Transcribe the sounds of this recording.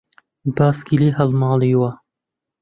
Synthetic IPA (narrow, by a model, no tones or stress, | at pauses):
baːskiliːɦɐlmɑːliːwɐ